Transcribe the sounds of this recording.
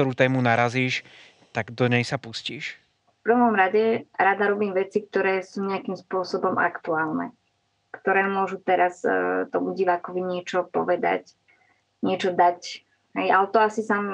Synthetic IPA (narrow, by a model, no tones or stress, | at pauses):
ɔɾuːt̪ɛːmunaɾaziːʃ | t̪aɡd̪ɔɲɛjsapusciːʃ | fpr̩ʋɔmɾaɟɛɾad̪aɾɔbiːmʋɛt͡sik̚t̪ɔɾɛːsuːɲɛakimspʊɔsɔbɔmʔa̰kt̪uaːlnɛ̰ | kt̪ɔɾɛːmʊɔʒut̪ɛɾast̪ɔmuɟiʋaːkɔʋiɲɪɛt͡ʃɔpɔ̰ʋɛd̪a̰c | ɲɪɛt͡ʃɔd̪ac | ɦɛjalɛt̪ɔasisam